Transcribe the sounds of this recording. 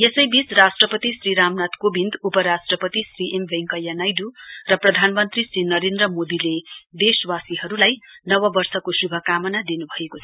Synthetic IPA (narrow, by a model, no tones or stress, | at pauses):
jesʌjbisrasʈrʌpʌt̪isriɾamnat̪kobind̪upʌɾasʈrʌpʌt̪isriʔembʱeŋkʌjanajdurʌprʌd̪ʱanmʌnt̪risɾinʌɾend̪rʌmod̪iled̪eswasiɦʌɾulajnʌwʌbʌrsʌkosubʱʌkamʌnad̪inubʱʌekot͡sʰʌ